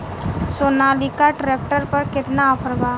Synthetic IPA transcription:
soːnaːlikaʈɾeːk̚ʈəɾpəɾkɪt̪naːpʰəɾbaː

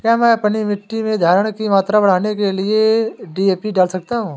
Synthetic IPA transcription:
kjaːmɛ̃ːpɐnimɪʈːimẽd̪ʱaːɾəɽ̃kimaːt̪ɾabɐɽ̤aːnekelieɖieːpiɖaːlsɐk̚t̪aɦũː

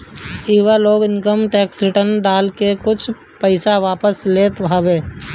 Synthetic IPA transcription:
iːʋəloːɡɪŋkəmʈɛːksɾɪʈəɾnɖaːlkekʊt͡ʃʰ | pəɪsaʋaːpəsleːt̪ɦaʋeː

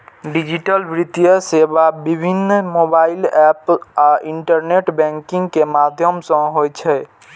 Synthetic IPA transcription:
ɖid͡ʒiʈəlbɾit̪jəsebabibʱinːmobailɛpaʔiɳʈəɾneʈbɛ̃ŋkiŋɡkemad̪ʱjəmsə̃ɦojt͡ʃʰɛ

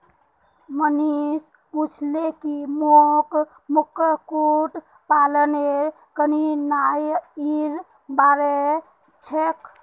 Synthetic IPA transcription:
mənis | put͡ʃʰlekimok | mukːəkuʈ | paləneɾ | kəninajiɾ | baɾe | t͡ʃʰek

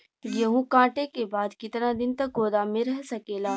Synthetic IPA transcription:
jɐɦũkãːʈekebaːd̪kɪt̪nad̪ɪnt̪ɐk̚ɡoːd̪amẽɾɛɦsɐkeːlaː

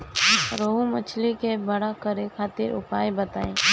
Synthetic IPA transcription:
ɾoɦũmət͡ʃʰlikebəɽakəɾekʰaːt̪ɪɾʊ̰paːjbət̪aːẽː

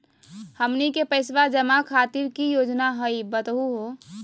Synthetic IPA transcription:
həmnikepəɪsʋad͡ʒəmakʰat̪iɾkijoːd͡ʒnaɦəibət̪ɦuɦo

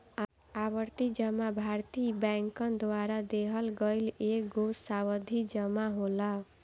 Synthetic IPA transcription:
abʌɾt̪id͡ʒʌmabʱaɾt̪ibaŋkʌnd̪waɾad̪eɦʌlɡʌjlek̚ɡosawʌd̪ʱid͡ʒʌmaɦola

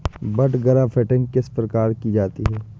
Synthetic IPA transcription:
bɐʈɡɐɾapʰɛːʈɪ̃ŋɡkɪspɾɐkaːɾkid͡ʒaːt̪iɦɛː

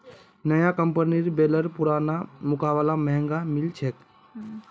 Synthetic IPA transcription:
nəjakəmpəniɾbeːləɾpʊɾaːnamʊkaːblaməɦɛ̃ŋɡamɪlt͡ʃʰeːk

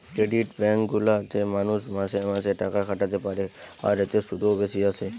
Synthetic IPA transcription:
kɾeɖiʈbɛ̃ŋɡulat̪ʰemanusmãsemãseʈakakʰaʈat̪epaɾe | a̰ɾit̪esud̪ʱoʋesiase

